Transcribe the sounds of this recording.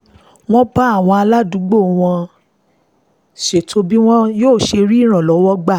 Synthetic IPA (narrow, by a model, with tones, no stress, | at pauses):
w̃ɔ̃˦ba˦a˦˨w̃ɔ̃˧a˧la˦du˨˦ɡ͡bo˦˨w̃ɔ̃˧ | ʃe˨tʰo˧bi˦w̃ɔ̃˦joː˦˨ʃe˧ɾi˦i˦˨ɾ̃ã˨lɔ˨˦wɔ˦ɡ͡ba˦˨